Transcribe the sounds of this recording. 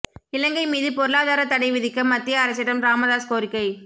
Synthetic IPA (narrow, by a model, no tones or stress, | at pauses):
ɪlɐŋɡɐɪmiːðɯpɔɾɯɭaːðaːɾɐt̪ɐɽɐɪʋɪðɪkːɐmːɐt̪ːɪjɐːɾɐs̬ɪɾɐmɾaːmɐðaːskoːɾɪkːɐɪ